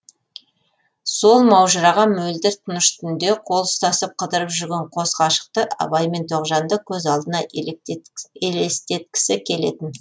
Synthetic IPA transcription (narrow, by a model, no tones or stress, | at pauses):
so̞lˠmɑwʒəɾɑʁɑmɵld̪ɪɾt̪ʰənəʃt̪ʰʏnd̪e̞qʰo̞lˠəst̪ɑsəp̚qʰəd̪əɾəpʒʏɾɡʲeɴqʰo̞sqɑʃə̥q̚t̪əʔɑ̰βɑjme̞nt̪ʰoqʒɑnd̪əkʲʰɵzɑlˠd̪ənɑ | elest̪e̞t̪̚kʲɪ̥sɪkʲʰe̞le̞̰t̪ɪn